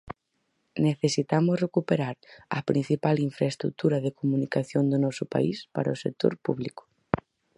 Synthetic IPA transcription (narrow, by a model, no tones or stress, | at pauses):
neθesit̪amʊzrekupeɾaɾɐ̰pɾin̟θipaliɱfɾaest̪ɾṵk̚t̪uɾɐðekomunikaθjond̪ʊnɔsʊpa̰ispaɾɐosek̚t̪o̰ɾpuβlikʊ̥